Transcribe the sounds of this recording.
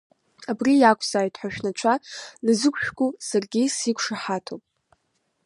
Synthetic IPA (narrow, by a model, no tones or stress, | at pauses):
abrijakʷʰʼz̥aːjtʰʼħʷᶣaʃᶣnat͡ʃʷʰanɨzɨkʷʼʃᶣɡʼʊsarɡʲisikʷʰʂaħatʰopʼ